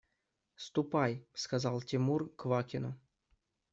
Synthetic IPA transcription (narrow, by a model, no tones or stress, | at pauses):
st̪upɑjskazɑlˠtʲimurkvɑkʲino